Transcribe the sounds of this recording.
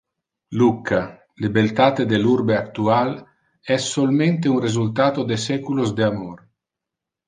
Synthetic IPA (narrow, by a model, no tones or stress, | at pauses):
lukʰːa | libelt̪aːt̪ed̪elurbeakt̪ual | ɛsːolment̪eunrezult̪aːt̪od̪esɛkulozd̪eamor